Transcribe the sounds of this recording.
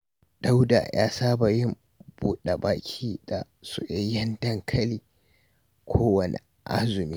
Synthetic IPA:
d̥a˦wda̰˨jʔa̰ː˦saː˦ba˨jɪ˦m | buː˦ɗa˨baː˦kʲʰiː˦da̰˨ | sṵ˨ʔe˦jɐ˦ndɐ˦˨ŋkʰɐ˦liː˨ | kʷʰoː˦wɐ˨nḛ˨ | ʔa̰˦zʊ˨miː˦

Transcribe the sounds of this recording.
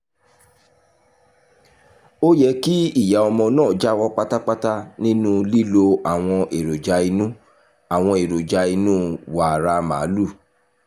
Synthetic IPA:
o˦jɛ˦ki˦i˦˨ja˨˦ɔ˧mɔ̃˧nãː˦˨d͡ʒa˦wɔ˦k͡pa˦ta˦k͡pa˦ta˦nĩ˦nũ˦li˦lo˧a˨w̃ɔ̃˧ʔe˨ɾo˨d͡ʒa˧i˧nũ˦ | a˨w̃ɔ̃˧e˨ɾo˨d͡ʒa˧i˧nũ˦wa˨ɾa˧mã̰ː˨˦lu˦˨

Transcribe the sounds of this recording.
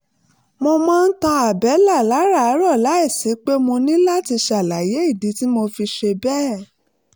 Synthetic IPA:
mo˧mãː˦˧n̩˦tã˧a˨bɛ˨˦la˦˨la˨˦ɾa˦˨˦ɾɔ˦˨la˨˦i˦˨si˨˦k͡pe˦mo˧nĩ˦la˦ti˧ʃa˨la˨˦je˨˦i˦˨di˨˦ti˦mo˧fi˧ʃe˧bɛː˦

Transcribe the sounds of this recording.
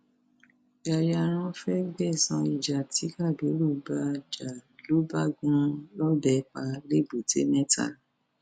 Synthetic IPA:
ja˨ja˧ɾ̃ã˧fɛ˦ɡ͡bɛ˦˨sã˧i˨d͡ʒa˨ti˨˦ka˦˨bi˨˦lu˦˨ba˧d͡ʒa˨lo˨˦ba˦ɡũ˦lɔ˦dɛ˧˨k͡pa˧˦le˦˨bu˨tḛ˨˦mɛ̃˦ta̰˦˨

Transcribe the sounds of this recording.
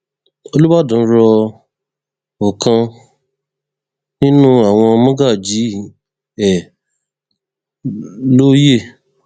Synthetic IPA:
o˧lu˦wa˦˨dũ˨˦ɾɔ˧ | o˨kʰã˧ | nĩ˦nũ˦a˦˨w̃ɔ̃˧mɔ̃˦ɡa˦˨d͡ʒi˨˦ | ɛ˨ | lo˦je˦˨

